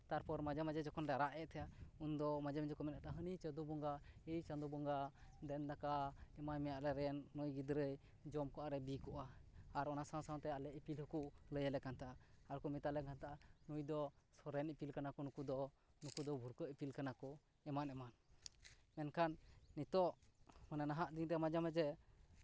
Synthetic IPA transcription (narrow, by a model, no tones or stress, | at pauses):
t̪aɾpɔɾmad͡ʒɛmad͡ʒɛd͡ʒɔkʰɔnɾaɾaʔɛʔ̚t̪ʰɛjaund̪ɔmad͡ʒɛmd͡ʒɔkɔmɛnat̪aɦənit͡ʃəd̪ubɔŋɡaɛjt͡ʃad̪ubɔŋɡad̪ɛnd̪akaɛmajmɛjaʔlɛɾɛnːujɡid̪ɾəj | d͡ʒɔmkɔʔaɾɛbikɔʔaːɾɔnasãw̃sãw̃t̪ɛalɛʔipilhəkuʔləjalɛkant̪aʔaaɾkɔmit̪alɛkant̪aʔanujd̪ɔsɔɾɛnipilkanakɔnukud̪ɔ | nukud̪ɔbʱuɾkəʔipilkanakɔ | ɛmanɛman | mɛnkʰanːit̪ɔʔmananaɦaʔd̪iŋt̪ɛmad͡ʒamɛd͡ʒɛ